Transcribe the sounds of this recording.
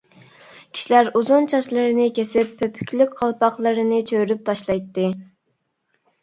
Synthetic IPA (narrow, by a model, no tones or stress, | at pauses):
kʲʰi̥ʃilæɾuzunt͡ʃʰɑʃlˠɨɾɨnɨkʲʰesɪpʰːøpʰy̥kʲlykʲqʰɑlˠpɑχlˠɨɾɨnɨt͡ʃʰøɾyp̚t̪ʰɑʃlˠɑjt̪ːɨ